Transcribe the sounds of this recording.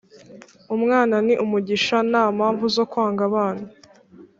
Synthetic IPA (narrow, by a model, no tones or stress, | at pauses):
umŋaːnaniʔumuɟiʃanaːmaːɱvuzo̞kwaːŋɡaβaːna